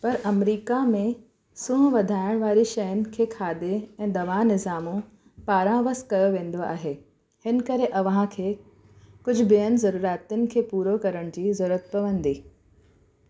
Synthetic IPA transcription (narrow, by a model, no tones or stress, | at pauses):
pɐɾɐmɾiːkamẽ | sũːɦʋɐd̪ʱaːɪɽ̃ʋaːɾiʃɐjənɪ̆kʰeːkʰaːd̪eɛ̃ːd̪ɐʋaːnɪzaːmõ | paːɾãʋəskɐjoʋẽːn̆d̪oa̰ːɦeː | hɪnkɐɾeʔɐʋɦãkʰeː | kʊd͡ʑʱʊbiənɪ̆zɐɾuːɾaːt̪ʊnɪ̆kʰeːpuːɾokɐɾəɽ̃d͡ʑiːzɐɾuːɾət̪̚pɐʋə̃nd̪iː